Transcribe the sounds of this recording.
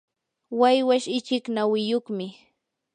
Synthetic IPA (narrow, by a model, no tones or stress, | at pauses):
wajwaʃɪt͡ʃɪknawɪjoχmɪ